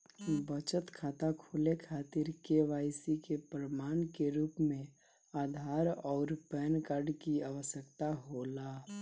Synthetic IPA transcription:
bət͡ʃət̪kʰat̪akʰolekʰat̪iɾkeʋaɪsikepɾəmankeɾuːpmẽ | ad̪ʱaɾɔːɾpɛnkaɾɖkiaʋəsjəkt̪aɦola

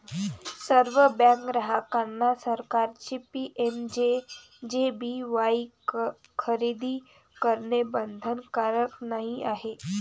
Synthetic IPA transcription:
səɾʋəbãŋkɡɾəɦakanːasəɾkaɾt͡ɕiːpiʔemd͡ʑe | d͡ʑebiʋai | kʰəɾid̪iː | kəɾɳebənd̪ʱənkaɾəknaɦiʔaɦe

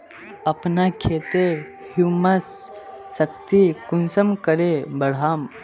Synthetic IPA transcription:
ɐpnakʰeːt̪e | humasː | əkt̪ikunsəmkəɾebəɽ̤aːm

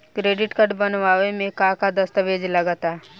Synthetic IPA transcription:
kɾeːɖɪʈkəɖbənʋaːʋemẽkãkad̪ɐst̪əʋeːd͡ʒləɡət̪aː

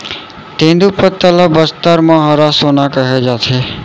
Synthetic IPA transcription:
t̪ẽːnd̪upət̪ːələbəst̪əɾmãɦaɾasoːnakəɦed͡ʒaːt̪ʰeː

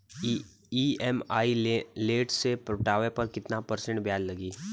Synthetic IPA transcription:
iɛmaːileːʈsepɾʈaːʋepɐɾkɪt̪napəɾsə̃ɳʈbjaːllɐɡiː

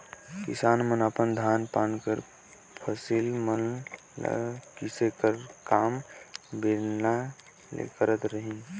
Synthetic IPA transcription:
kɪ̰saːnmənəpənd̪ʱaːnpaːnkəɾ | pʰəsilmən | l̰kisekəɾkaːmbeɾna | lḛkəɾət̪ɾəɦĩ

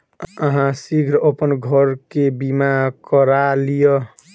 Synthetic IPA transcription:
əɦãsiɡʱɾəpənɡʱʌɾkebimakəɾalijɔ

